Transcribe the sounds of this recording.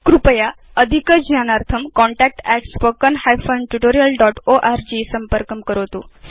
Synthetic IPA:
kɾupəja | əd̪ʱikəd͡ʑnanaɾt̪ʰəmkɔ̃ɳʈæk̚ʈɛʈspəkənhajfənʈuʈoɾijəlɖɔʈoʔaɾd͡ʑisəmpəɾkəmkəɾot̪os

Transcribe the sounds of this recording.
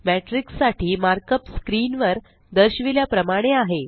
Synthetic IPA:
mæʈɾiksːaʈiːmaɾkəpskɾiːnʋəɾ | d̪əɾɕʋiljapɾəmaɽ̃eaɦe

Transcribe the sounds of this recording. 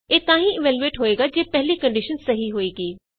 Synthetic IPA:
eːt̪ãːɦĩɪʋɛːljueːʈɦoːeːɡaːd͡ʒeːpɛɦlikə̃ɳɖɪʃənsɐɦiɦoːeːɡeː

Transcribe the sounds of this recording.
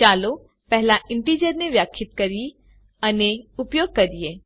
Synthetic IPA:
t͡ʃaːlo | pɛɦlaʔɪ̃ɳʈiːd͡ʒəɾneʋjaːkʰːɪt̪kɐɾi | ɐneʊpjoːɡ̚kɐɾd̪ijeː

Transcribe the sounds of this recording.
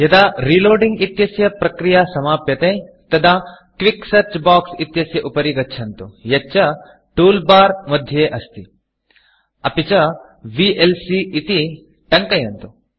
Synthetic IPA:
jɐd̪aɾiːloːɾɖĩŋɡit̪jɐsjɐpɾɐkɾijasɐmaːpjɐt̪e | t̪ɐd̪a | kʋiksɐɾt͡ʃbaːksit̪jɐsjɐʔupɐɾiɡɐtːʃʰɐnt̪ujɐt͡ʃɐ | ʈuːlbaːɾmɐd̪ʱjɐeːʔɐst̪i | ɐpit͡ʃɐ | ʋiʔelsiːt̪i | ʈɐŋkɐjɐnt̪u

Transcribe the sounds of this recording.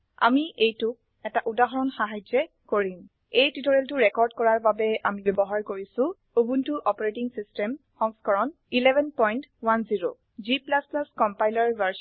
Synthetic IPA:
a̰miʔejtʊ | ɛtaʔudaɦɔɹɔnxaɦajd͡ʒɛ | koɹim | ejtitoɹeltʊɹɛkɔɹdkɔɹaɹbabɛamibɛbɔɦaɹkoɹisʊ̃ | obuntuʔɔpɔɹetiŋsistɛmxɔŋskɔɹɔn | ilɛbʱɛnpɔjntwanziɹo̰ | ziplasplaskɔmpajlaɹvaɹs

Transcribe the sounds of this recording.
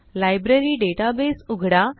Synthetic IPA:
lajbɾeɾiːɖeʈabesuɡʱɽa

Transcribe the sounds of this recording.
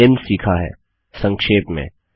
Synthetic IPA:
emsiːkʰaɦɛ̰ː | sɐ̃ŋkʃeːpmḛ̃ː

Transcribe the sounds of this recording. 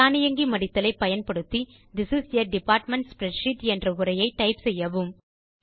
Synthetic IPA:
aːnɪjɐŋɡimɐɽɪt̪ːɐlɐɪpːɐjɐnpɐɽɯt̪ːi | d̪ɪsɪsɐɖɪpaːɾʈmɛɳʈspɾɛʃɪʈɛndrɐʊɾɐjɐɪʈːɐɪpsɛjːɐʋɯm

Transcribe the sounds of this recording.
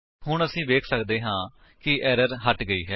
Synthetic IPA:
ɦʊɳəsĩːʋeːkʰsəkd̪eːɦãː | kɪɛːɾəɾɦəʈɡəiːɦɛː

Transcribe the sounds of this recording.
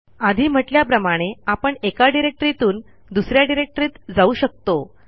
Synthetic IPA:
ad̪ʱiːm̤əʈljapɾəmaɽ̃eapəɳekaɖiɾek̚ʈɾit̪uːn | d̪usɾjaɖiɾek̚ʈəɾiːt̪d͡zauːɕək̚t̪o

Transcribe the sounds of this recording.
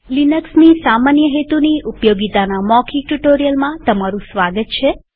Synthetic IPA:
linəksnisamanjəɦet̪uniʔupjoɡit̪anamɔkʰiʈuʈoɾijəlmãt̪əmaɾũsʋaɡət̪̚t͡ʃʰe

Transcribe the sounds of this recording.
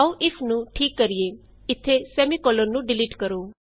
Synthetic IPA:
oʔɪfʰnũːʈʰiːkːəɾie | ɪt̪ʰːesɛːmikɔːləɾnũːɖɪliʈkəɾoː

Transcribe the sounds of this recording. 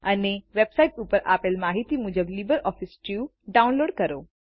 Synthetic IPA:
əneʋebsaiʈupəɾʔa̰pelmaɦit̪imʊd͡ʒəblibəɾɔfisʈju | ɖaunloːɽkəɾo̰

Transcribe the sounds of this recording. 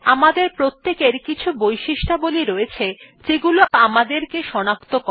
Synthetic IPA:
amad̪eɾpɾot̪ːekeɾkit͡ɕʰubojʃiʃʈaboliɾoet͡ɕʰet͡ɕeɡuloamad̪eɾkeʃɔnakt̪okɔ

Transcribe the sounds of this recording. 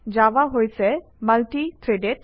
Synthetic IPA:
d͡ʒaʋaɦojsɛ | məlʈit̪ʰɾeɖeʈ

